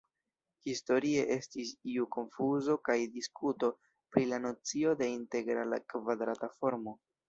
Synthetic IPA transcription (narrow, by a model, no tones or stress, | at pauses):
histo̞ɾie̞ʔe̞stisiuko̞nfuzo̞kajdiskuto̞ | pɾilano̞t͡sio̞de̞inte̞ɡɾalakvad̪ɾatafo̞ɾmo̞